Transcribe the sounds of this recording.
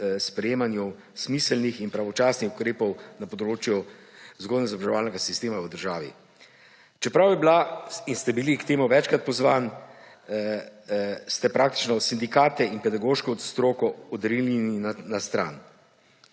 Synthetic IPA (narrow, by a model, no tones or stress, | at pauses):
spɾɛjeːmanjɔw | smisəlnixinpɾaʋɔt͡ʃaːsnixukɾeːpɔwnapɔd̪ɾoːt͡ʃjuzɡoːd̪nɛzɔbaʒɛʋaːlnɛɡasist̪eːmaəd̪əɾʒaːʋḭ | t͡ʃɛpɾawjɛblainst̪ɛbilikt̪eːmuʋɛt͡ʃkɾat̪̚pɔzʋaːn | st̪ɛpɾaːkt̪i̥t͡ʃnɔsind̪ikaːt̪ɛinpɛd̪aɡoːʃkɛɔt̪st̪ɾoːkɔɔd̪ɾilininnast̪ɾa̰ːn